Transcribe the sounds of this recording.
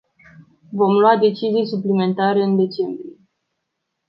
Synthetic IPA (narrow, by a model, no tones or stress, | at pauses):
vo̞mlwad̪e̞t͡ʃizijsuplime̞nt̪aɾeɨnd̪e̞t͡ʃe̞mbɾie